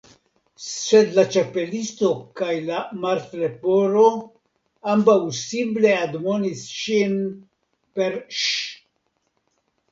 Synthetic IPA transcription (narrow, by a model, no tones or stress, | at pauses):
sed̪lat͡ʃape̞list̪o̞kajlamaɾt̪ɾepoɾo̞ | ambawsimple̞ad̪monisʃin | peɾʃ